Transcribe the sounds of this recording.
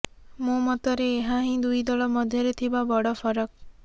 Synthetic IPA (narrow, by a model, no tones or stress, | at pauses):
mõmɔt̪ɔɾeːɦaɦĩd̪ujd̪ɔɭɔmɔd̪ʱjɔɾet̪ʰibabɔɽɔfʰɔɾɔk̚